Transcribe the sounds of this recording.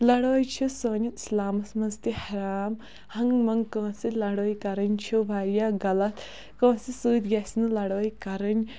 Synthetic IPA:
lɐɽoːjt͡ʃʰisoːnit̪slaːmɐsmɐnzt̪ihɐɾaːm | hɐŋmɐŋkə̃ːsilɐɽoːjkɐɾɐnʲt͡ʃʰubʱaːɾjaːɡɐlɐt̪ | kõːsisuːt̪ɡʲesnɨlɐɽoːjkɐɾɐnʲ

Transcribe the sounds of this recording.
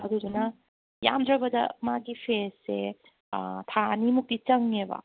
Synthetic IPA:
hɐdudunɐ | ja̰mdɾɐbɐdɐ̰maɡipʰesːe | t̪ʰanimuk̚dit͡ʃɐŋebɐ̰

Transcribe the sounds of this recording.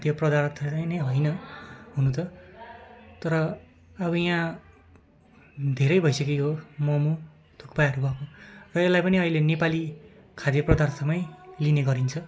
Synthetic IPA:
ad̪jʌprʌd̪arʌt̪ʰtajnʌjɦʌjnʌɦunũt̪ʰʌ | t̪ʌɾʌ | ʌbʌjã | d̪ʱeɾʌjbʱʌjsʌkeɦomʌmu | t̪ʰukpajʌɾubʱʌkõrʌelːajpʌniʌilenepali | kʰad̪jʌprʌd̪arsʰʌmʌjlineɡʌɾint͡sʰʌ

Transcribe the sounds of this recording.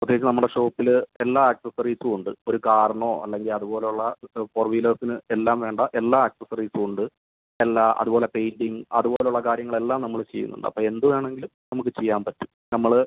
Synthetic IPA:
ud̪ːeit͡ɕːɐnɐmːuɽe̞ʂo̞ːpːile̞lːaːaksɐsɐriːsɨuɳɖɨo̞ɾukaːɾɐɳoːʔɐ̰lːe̞ŋɡilɐðubo̞ːle̞uɭːɐforʋiːlɐrsinɨe̞lːaːmʋe̞ːɳɖɐʔe̞lːaːaksɐsɐriːsɨuɳɖɨ | elːaːʔɐ̰ðubo̞ːle̞pe̞jndiŋɐ̰ðubo̞ːleuɭːɐkaːɾjɐŋːɐɭe̞lːaːmnɐmːɐɭt͡ɕe̞jːṵnːṵɳɖɨɐ̰pːoːe̞nd̪uʋaːɳe̞ŋɡilumnɐmuk̬ːɨt͡ɕe̞jːaːmpɐtːu̥mnɐmːɐɭ

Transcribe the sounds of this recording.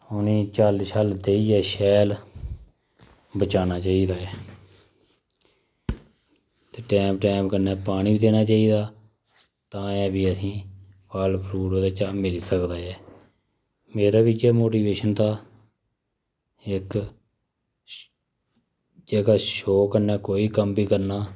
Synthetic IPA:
ʊniːt͡ʃaːlisaːld̪eːiːɛːʃɛːl | bət͡ʃaːnaːt͡ʃaːiːd̪aːɛː | t̪eːʈɛ̃ːmp̚ʈɛ̃ːmpkənːɛːpaːɳ̃iːbiːd̪eːnaːt͡ʃaːiːd̪aː | t̪ãːɛːbiːəsĩː | paːlpʰɾuːɽoːd̪aːt͡ʃaːmɪliːsəkd̪aːɛː | meːɾaːbɪt͡ʃɛːmoːʈiːʋeːʃənt̪aː | ɪk | d͡ʒeːkaːʃoːkənɛːkoːiːkəmbiːkəɾnaː

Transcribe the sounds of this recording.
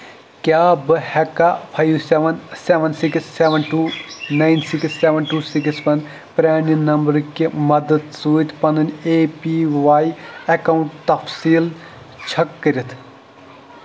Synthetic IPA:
kʲaːbɨhɛkːapʰajʋseʋɐnseʋɐnsiksːeʋɐnʈuːnajnsiksːeːʋɐnʈuːsikspɐn | pɾʲaːninɐmbɐɾkimɐd̪əd̪suit̪ʰpɐnɨneːpiʋaːjɐkawuɳʈt̪ɐfʰsiːl | t͡ʃʰɐkːɐɾʲit̪ʰ

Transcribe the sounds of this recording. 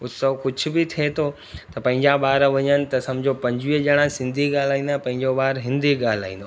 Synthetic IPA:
ʊsɐʋkʊd͡ʑʰʊ̆bɪt̪ʰiet̪ʰo | t̪ɐpɐ̃ɦɪ̃ɲd͡ʑaɓaːɾʋɐɲənɪ̆t̪ɐsɐmd͡ʑopɐ̃ɲd͡ʑʋiːəd͡ʑɐɽ̃ãsɪ̃nd̪ʱiɡaːl̤aːĩːnd̪apɐ̃ɦɪ̃ɲd͡ʑoɓaːɾɦɪ̃nd̪ʱiɡaːl̤a̰ːĩnd̪o

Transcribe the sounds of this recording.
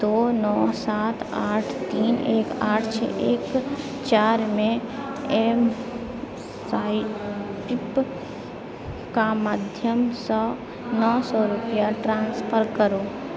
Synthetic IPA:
d̪oːnɔːsaːt̪ʰaːʈʰt̪iːneːkaːʈʰt͡ʃʰɛ̰ʔeːk | t͡ʃaːɾmẽem | saːipɪp | kamaːd̪ʱjəmsɔː | nɔːsɔːɾʊpjaʈɾãːnspʰəɾkəɾoː

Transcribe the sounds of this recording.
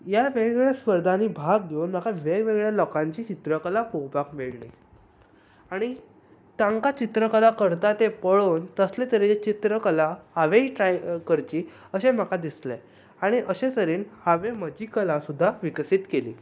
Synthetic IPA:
jaʋeɡɭjaspəɾd̪ʱaniːbʱaɡ̚ɡʱeunm̤akaʋeʋeɡɭjalɔkãɲt͡ɕiːt͡ɕit̪ɾəkəlakowpakmeɭɳi | aɽ̃i | t̪ãŋkat͡ɕit̪ɾəkəlakəɾt̪at̪epəɭoːnt̪əslet̪əɾed͡ʑet͡ɕit̪ɾəkəlahaʋeiʈɾajkəɾt͡ɕiː | əɕem̤akad̪isle | aɽ̃iʔəɕet̪əɾiːnhaʋeməd͡ʑiːkəlasud̪ʱːaʋiksiːt̪kelḭː

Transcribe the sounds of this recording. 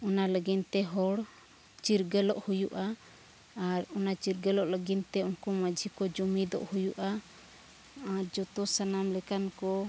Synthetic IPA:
ɔnaləɡint̪ɛɦɔɽ | t͡ʃiɾɡəlɔʔhujuʔaː | ɾɔnat͡ʃiɾɡəlɔʔləɡint̪ɛunkɔmad͡ʒʱikɔd͡ʒumid̪ɔ̰ʔhujuʔa | aɾd͡ʒɔt̪ɔsanamlɛkankɔ

